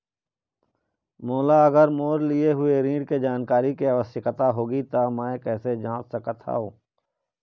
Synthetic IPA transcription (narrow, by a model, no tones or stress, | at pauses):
moːlaɐɡəɾmoːɾlɪeɦʊeɾĩːɖked͡ʒaːnkaːɾikeɐʋəsjəkət̪aɦoːɡit̪amɛ̃kɛːsed͡ʒãːt͡ʃsəkət̪ʰa̰oː